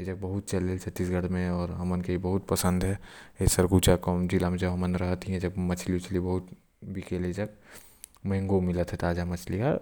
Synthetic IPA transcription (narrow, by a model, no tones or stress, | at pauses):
ed͡ʒɐk̚bɐɦʊt̪̚t͡ʃɐlelt͡ʃʰɐt̪ːisɡɐɽ̤mẽɔːɾɦɐmənkeibɐɦʊt̪pəsə̃nd̪ɦɛesɐɾɡuːt͡ʃakɔmd͡ʒilamʊd͡ʒʱeɦɐmənɾɐɦt̪iɦɛ̃d͡ʒɐk̚mɐt͡ʃʰliʊt͡ʃlibɐɦʊt̪ | bikeːled͡ʒɐk̚ | mɛ̃ŋɡomɪlət̪ɦɛt̪aːd͡ʒamɐt͡ʃʰlija